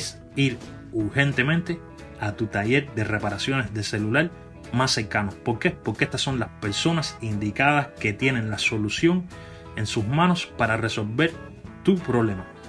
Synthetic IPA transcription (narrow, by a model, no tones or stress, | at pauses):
s | iɾ | uɾhe̞nt̪e̞mẽnt̪e̞ | at̪ut̪aʝe̞ɾðere̞paɾasjo̞ne̞zðe̞se̞lulaɾ | masːe̞ɾkanopo̞ɾke̞po̞ɾkeest̪asːo̞ŋlaspe̞ɾso̞nasind̪ikaðaske̞t̪je̞nẽ̞nlaso̞lusjo̞ŋ | e̞nsusmãno̞spaɾare̞so̞lβe̞ɾ | t̪upɾo̞βle̞ma